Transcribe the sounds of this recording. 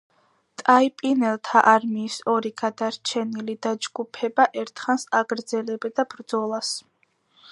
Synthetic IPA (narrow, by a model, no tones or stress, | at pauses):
t̪ʼaipʼinɛlˠt̪ʰaʔaɾmiːsɔɾiɡ̥ad̪aɾt͡ʃʰɛnilid̪ad͡ʒɡupʰɛbaʔɛɾt̪ʰχansaɡɾd̪zɛlɛbɛd̪abɾd̪zɔlˠas